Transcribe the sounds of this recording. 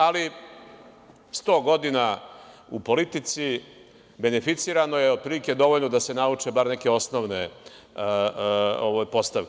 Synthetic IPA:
ali | st̪o̞ːɡo̞d̪inaupo̞lit̪it̪si | be̞nefit̪siːɾano̞jeod̪̚pɾilike̞d̪o̞ʋoʎnod̪ase̞naut͡ʂebaɾneke̞o̞sno̞ʋne | oʋojpo̞st̪aʋk

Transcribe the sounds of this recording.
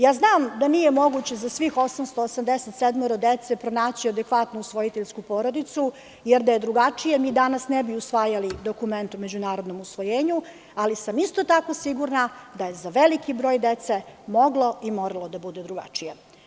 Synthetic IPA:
jaːznaːmd̪anije̞mo̞ɡut͡ɕe̞zasʋixo̞samst̪oːsamd̪eset̪sed̪moɾod̪et̪sepɾonaːt͡ɕiad̪ekʋat̪nuusʋo̞jit̪eʎskupo̞ːɾo̞d̪it̪su | jeɾd̪ajed̪ɾuɡat͡ʂije̞miːd̪anasnɛbiusʋaːjalid̪o̞kume̞nt̪ume̞d͡ʑunaːɾod̪no̞musʋo̞jeːɲu | alisamist̪o̞t̪ako̞siɡuɾnad̪ajezaʋelikibɾo̞ːjd̪et̪semo̞ɡlˠo̞imo̞ɾalˠo̞d̪abud̪ed̪ɾuɡa̰t͡ʂije

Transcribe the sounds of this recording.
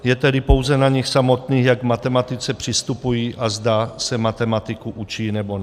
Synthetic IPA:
jɛt̪ɛdɪpo̞wzɛnaɲɪxsamot̪niːxjaɡmat̪ɛmat̪ɪt͡sɛpr̝̥ɪst̪upujiːʔazd̪asɛmat̪ɛmat̪ɪkuʔut͡ʃiːnɛbon

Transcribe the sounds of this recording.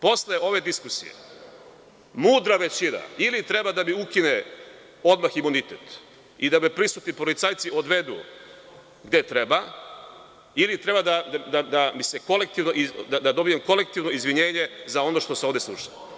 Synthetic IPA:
po̞sleo̞ʋe̞d̪iskusḭjḛ | muːd̪ɾaʋet͡ɕina̰ilit̪ɾe̞bad̪abiukine | o̞d̪maximunit̪et̪ | id̪amepɾisut̪nipolit̪saːjt̪sio̞d̪ʋe̞d̪ṵ | ɡd̪e̞t̪ɾe̞ba | ilit̪ɾe̞bad̪ad̪ad̪ad̪abiseko̞lek̚t̪iʋnoʔid̪ad̪ad̪o̞bijemko̞lek̚t̪iʋno̞izʋiɲe̞ːɲe̞zao̞no̞ʃt̪o̞seo̞ʋd̪eslˠuʃḁ

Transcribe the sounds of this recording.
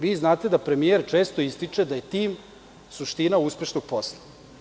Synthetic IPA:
ʋiːznaːt̪e̞d̪apɾe̞mije̞ɾt͡ʃe̞ːst̪o̞ist̪it͡ʂe̞d̪aje̞t̪iːm | suʃt̪inauspe̞ʃnoɡ̥̚po̞slˠa

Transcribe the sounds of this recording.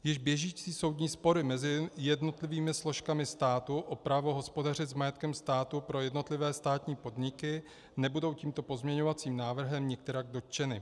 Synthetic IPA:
jɪʒbjɛʒiːt͡siːso̞wdɲiːspo̞ɾɪmɛzɪjɛdno̞t̪lɪviːmɪslo̞ʃkamɪst̪aːt̪uʔopɾavo̞ɦo̞spo̞dar̝ɪzmajɛt̪kɛmst̪aːt̪upɾo̞jɛdno̞t̪lɪvɛːst̪aːt̪ɲiːpo̞dɲɪkɪ | nɛbudo̞wciːmt̪o̞po̞zmɲɛɲo̞vat͡siːmnaːvr̩ɦɛmɲɛk̚t̪ɛɾaɡ̚do̞t̪̚t͡ʃɛnɪ

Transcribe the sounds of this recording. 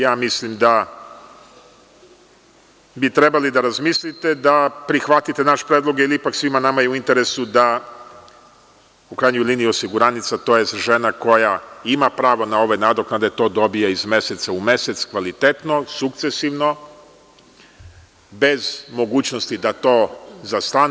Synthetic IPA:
jaːmislimd̪a | bit̪ɾe̞balid̪aɾazmislit̪e̞d̪apɾixʋat̪it̪e̞naʃpɾed̪lˠo̞ɡeiliipaksʋimanamajeuint̪e̞ɾe̞sud̪a | ukɾajɲojliːnijuosiɡuɾanit̪sat̪o̞je̞st̪ʒe̞nako̞jaimapɾaːʋo̞nao̞ʋenaːd̪o̞knad̪e̞t̪o̞ːd̪o̞bijaizme̞set̪saume̞set̪skʋalit̪e̞t̪no̞sukt̪se̞siʋno̞ | be̞zmo̞ɡuːt͡ɕno̞st̪id̪at̪o̞ːzast̪a

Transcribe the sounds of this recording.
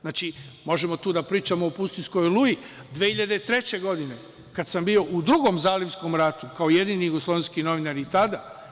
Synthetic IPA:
znaːt͡ʃimo̞ʒemo̞t̪uːd̪apɾiːt͡ʃamo̞ːpust̪insko̞jlˠuji | d̪ʋehiʎad̪et̪ɾe̞t͡ɕe̞ɡo̞d̪ine̞ | kad̪sambio̞ʔud̪ɾuɡo̞mzaːliʋsko̞mɾat̪ukaoje̞d̪iːnijuɡoslˠo̞ʋenskino̞ʋinaɾit̪ad̪a

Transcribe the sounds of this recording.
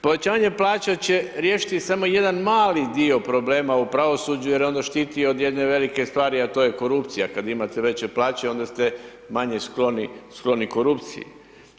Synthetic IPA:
po̞ʋe̞t͡ɕaːʋaɲe̞plˠaːt͡ɕat͡ɕe̞ɾjeːʃi̥t̪isamo̞je̞d̪anmaːlid̪io̞pɾo̞ble̞ːmaupɾaʋo̞suːd͡ʑuje̞ɾjo̞nd̪aʃt̪iːt̪io̞d̪je̞d̪ne̞ʋe̞like̞st̪ʋaːɾiat̪o̞ːjeko̞ɾupt̪sijakad̪imat̪e̞ʋe̞t͡ɕeplˠaːt͡ɕeo̞nd̪ast̪e̞ | maɲesklo̞nisklˠo̞niko̞ɾupt̪sḭjḛ

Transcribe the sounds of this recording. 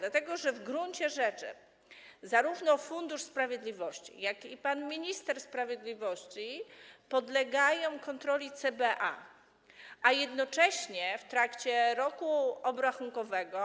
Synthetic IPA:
lat̪ɛɡɔʐɛvɡɾuɲt͡ɕɛʐɛt͡ʂɘ̰ | zaɾuvnɔfund̪uʂspɾavʲjɛd̪lʲivɔɕt͡ɕḭjakipanmʲiɲist̪ɛɾspɾavʲjɛd̪lʲivɔɕt͡ɕipɔd̪lɛɡajɔ̃w̃kɔnt̪ɾɔlʲit̪sɛbɛʔa̰ | ajɛd̪nɔt͡ʂɛɕɲɛft̪ɾakt͡ɕɛɾɔkuɔbɾaxuŋkɔvɛɡɔ

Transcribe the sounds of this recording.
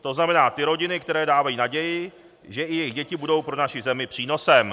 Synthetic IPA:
t̪o̞znamɛnaːt̪ɪɾo̞ɟɪnɪkt̪ɛɾɛːdaːvajiːnaɟɛjɪ | ʒɛʔɪjɛjɪɣɟɛcɪbudo̞wpɾo̞naʃɪzɛmɪpr̝̥iːno̞sɛm

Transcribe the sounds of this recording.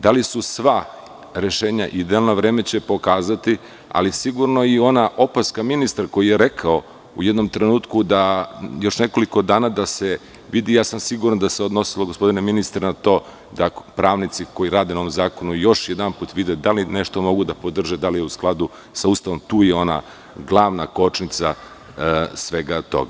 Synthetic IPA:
d̪alisusʋa | ɾe̞ʃeːɲaʔid̪ealnoʋɾeːme̞t͡ɕe̞po̞kaːzat̪i | a̰lisiɡuɾno̞io̞naʔo̞paskaminist̪aɾko̞jijeɾe̞kʰao̞ | ujed̪no̞mt̪ɾenuːt̪kud̪ajo̞ʃne̞ko̞liko̞d̪aːnad̪ase | ʋid̪ijaːsamsiɡuɾand̪aseod̪no̞siloɡospo̞d̪ineminist̪ɾenat̪o̞ː | d̪apɾaːʋnit̪siko̞jiɾaːd̪enaoʋomzaːko̞nujo̞ʃjed̪anpuːt̪ʋid̪ed̪alineʃt̪o̞mo̞ɡud̪apod̪r̩ʒed̪alijeusklˠad̪u | saust̪aʋo̞mt̪uːjeo̞na̰ | ɡlˠaʋnako̞t͡ʃnit̪sa | sʋeɡat̪o̞̰ɡa

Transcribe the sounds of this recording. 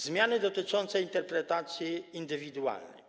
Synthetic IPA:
zmʲjanɘd̪ɔt̪ɘt͡ʂɔnt̪sɛint̪ɛɾpɾɛt̪at̪sʲjiːnd̪ɘvʲid̪ua̰lnɛ̰j

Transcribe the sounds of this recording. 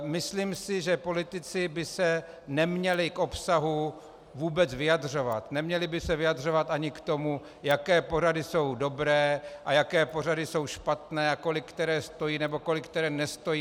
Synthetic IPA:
mɪsliːmsɪʒɛpo̞lɪt̪ɪt͡sɪbɪsɛ | nɛmɲɛlɪkʔo̞psaɦu | vuːbɛt͡svɪjadr̝o̞vat̪nɛmɲɛlɪbɪsɛvɪjadr̝o̞vat̪ʔaɲɪkt̪o̞mu | jakɛːpo̞radɪso̞wdo̞bɾɛːʔajakɛːpo̞r̝adɪso̞wʃpat̪nɛːako̞lɪkːt̪ɛɾɛːst̪o̞jiːnɛbo̞ko̞lɪkːt̪ɛɾɛːnɛst̪o̞jiː

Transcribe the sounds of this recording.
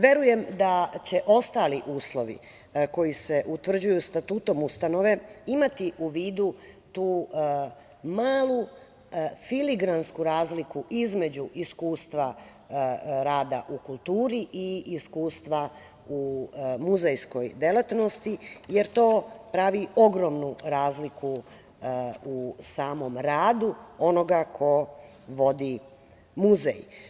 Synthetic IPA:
ʋe̞ɾuje̞md̪at͡ɕe̞ʔo̞st̪aːliʔuːslˠo̞ʋḭ | ko̞jise̞ʔut̪ʋr̩d͡ʑujust̪at̪uːt̪o̞must̪ano̞ʋe̞imat̪iʔuʋiːd̪u | t̪uː | maːlu | filiɡɾanskuɾaːzlikuʔizme̞d͡ʑuʔiskuːst̪ʋa | ɾaːd̪aʔukulˠt̪uːɾiʔiʔiskuːst̪ʋa | umuzejsko̞jd̪elat̪no̞st̪ijeɾt̪o̞ːpɾaʋio̞ɡɾoːmnuɾaːzlikʰu | usaːmo̞mɾaːd̪uo̞no̞ɡakʰo̞ | ʋo̞d̪i | muzḛj

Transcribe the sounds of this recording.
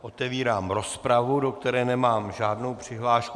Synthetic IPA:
ʔo̞t̪ɛviːɾaːmɾo̞spɾavudo̞k̚t̪ɛɾɛːnɛmaːmʒaːdno̞wpr̝̥ɪɦlaːʃku

